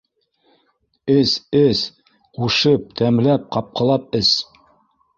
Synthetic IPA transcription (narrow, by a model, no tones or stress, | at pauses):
ɘsɘs | quʃɤp̚t̪ʰæmlæp̚qɑp̚qɤ̆lˠɑp̚ɘs